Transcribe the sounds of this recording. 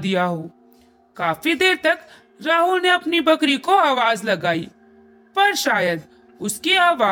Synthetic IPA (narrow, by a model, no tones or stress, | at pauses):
d̪ijaɦoː | kaːfid̪eːɾt̪ɐk | ɾaːɦʊlneɐpnibʱɐkɾikoaːʋaːzlɐɡaːi | pɐɾʃaːjəd̪ | ʊskiaːʋaː